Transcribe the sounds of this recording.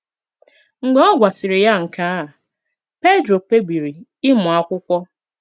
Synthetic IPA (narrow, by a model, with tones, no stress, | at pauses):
ŋ̩˨ɡ͡be˨˦ɔ˦ɡʷa˨sɪ˨ɾɪ˨ja˦ŋ̩˨ka˦a˨ | pe˦dɾo˨k͡pe˦bi˨ɾi˨ɪ˦mʊ˨a˦kʷʊ˦kʷɔ˦